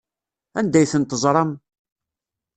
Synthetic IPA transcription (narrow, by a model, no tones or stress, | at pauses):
ænd̪æjθənt̪əzˤɾˤɑm